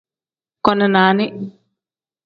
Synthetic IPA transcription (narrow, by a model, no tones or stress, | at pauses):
kɔnənaːnɪ